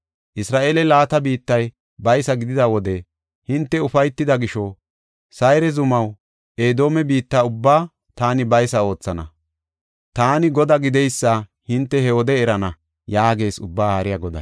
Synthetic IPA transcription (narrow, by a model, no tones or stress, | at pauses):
ʔɪsɾaːʔe̞ːlɛlaːt̪ɐbiːt̪ːɐj | bɐjsɐɡɪd̪ɪd̪ɐwɔd̪ɛ | hɪnt̪ːɛʊfɐjt̪ːɪd̪ɐɡɪʃɔ | sɐjɾɛzʊmɐw | eːd̪o̞ːmɛbiːt̪ːaʊbːaː | t̪aːnɪbɐjsɐo̞ːt͡sːɐnɐ | t̪aːnɪɡɔd̪ɐɡɪd̪ɛjsːɐhɪnt̪ːɛhɛwɔd̪ɛːɾɐnɐ | jaːɡe̞ːsʊbːaːhɐɾɪjɐɡɔd̪ɐ̰